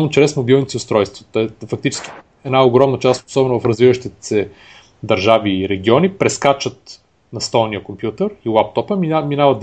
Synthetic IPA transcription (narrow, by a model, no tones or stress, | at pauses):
not͡ʃɾɛsmobilˠnit̪siʊst̪ɾɔjst̪vot̪ɛfɐk̚t̪it͡ʃɛ̥skʲi̥ | ɛd̪naoɡɾɔmnət͡ʃast̪o̥sɔbɛnovɐfɾɐzvivəʃt̪it̪sɛ | d̪ɐɾʒaviɾɛɡ̟iɔnipɾɛskat͡ʃət̪ | nɐst̪ɔlˠnijəkompjut̪əɾilˠap̚t̪ɔpəmiminavɐt̪d̪